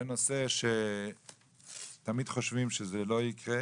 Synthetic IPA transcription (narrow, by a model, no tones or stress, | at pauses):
eno̞seʃe | t̪amid̪̥χoʃvimʃezelo̞ikʁe